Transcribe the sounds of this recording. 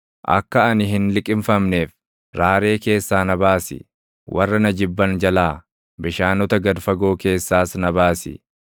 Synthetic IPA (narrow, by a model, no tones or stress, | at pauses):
ʔɐ̰kːɐɐnɪɦɪnlɪkʼɪmfɐmneːf | ɾaːɾe̞ːke̞ːsːaːnɐbaːsɪ̰ | wʔɐrːɐnɐd͡ʒɪbːɐnd͡ʒɐlaː | bɪʃaːnɔt̪ɐɡɐd̪fɐɡo̞ːke̞ːsːaːsnɐbaːsɪ̰